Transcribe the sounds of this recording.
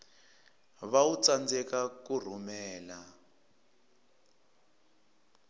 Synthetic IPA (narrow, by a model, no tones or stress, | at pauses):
βaut͡sand͡zɛkakur̤umɛːla